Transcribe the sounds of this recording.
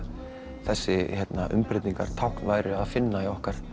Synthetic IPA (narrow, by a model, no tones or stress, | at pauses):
θɛsːɪhɛt̪naʔʏ̰mpɾɪt̪niŋkaɾ̥t̪ʰawhknvaːjɾɪaðfɪnːaiɔhkaɾ̥